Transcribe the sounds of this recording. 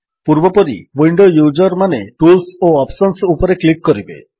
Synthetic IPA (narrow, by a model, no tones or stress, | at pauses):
puɾbɔpɔɾḭwiɳɖojud͡ʒɔɾmaneʈulsoɔpsɔnsupɔɾeklikːɔɾibḛ